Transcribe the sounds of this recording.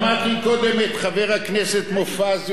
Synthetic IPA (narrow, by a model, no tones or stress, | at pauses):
mat̪iko̞d̪emet̪χaveʁhakneset̪mofaz